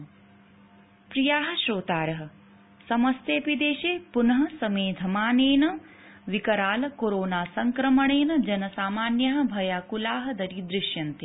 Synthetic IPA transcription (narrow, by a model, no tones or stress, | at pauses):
pɾijaːɦɐ̆ʃɾoːt̪aːɾɐɦɐ̆ | sɐmɐst̪eːpid̪eːʃeːpunɐɦɐ̆sɐmeːd̪ʱɐmaːneːnɐ | ʋikɐɾaːlɐkoɾoːnaːsɐŋkɾɐmɐɳeːnɐd͡ʒɐnɐsaːmaːnjɐɦɐ̆bʱɐjaːkulaːɦɐd̪ɐɾid̪ɾɪʃjɐnt̪e